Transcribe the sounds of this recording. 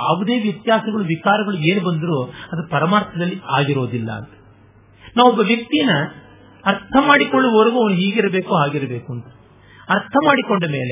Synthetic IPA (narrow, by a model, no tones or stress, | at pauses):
a̰ːʋud̪e̞ːʋjɐt̪jaːsɐɡɐɭuʋit͡ʃaːɾɐɡɐɭue̞ːnubɐnd̪ɐɾuːɐd̪ɐɾupɐɾɐmaːɾt̪ʰɐd̪ɐlːiaːɡiɾo̞ːd̪ilːɐ̰ːnt̪ɐ̥ | naːʋɔbːɐʋjɐk̚t̪ijnːɐ | ɐɾt̪ʰɐmaːɽikoɭːuɔɾɐɡuɐʋɐnuɦiːɡiɾɐbe̞ːkuɦaːɡiɾɐbe̞ːkunt̪ɐ̥ | ɐɾt̪ʰɐmaːɽikoɳɖɐme̞ːle